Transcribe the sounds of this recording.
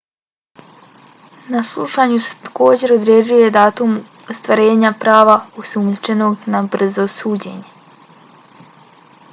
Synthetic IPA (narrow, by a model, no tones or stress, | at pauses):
naslˠṵʃaɲuse̥t̪ḁko̞ːd͡ʑe̞ɾod̪ɾed͡ʑuje̞d̪aːt̪um | ost̪ʋaɾe̞ːɲapɾaːʋaosumʎut͡ʃe̞no̞ɡnabr̩zo̞suːd͡ʑe̞̰ɲe̞